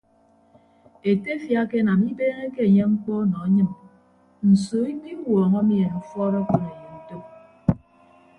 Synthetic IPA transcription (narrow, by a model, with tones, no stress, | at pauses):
e˨te˦fja˦ke˦na˨mi˦beː˦ŋe˦ke˦e˨ɲe˦ŋ͡m̩˦k͡pɔ˦nɔ˨a˦ɲɨ˦m | n̩˨soː˨˦i˦mi˦wɔː˨ŋɔ˦mi˦e˨nu˨fɔ˦ɾɔ˦ko˨ne˨je˨to˦p̚